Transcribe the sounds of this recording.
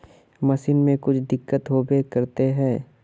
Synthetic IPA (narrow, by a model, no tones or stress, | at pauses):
mɐsiːnmẽkʊt͡ʃʰd̪ɪkːət̪ɦobekɐɾt̪eɦɛ̃ː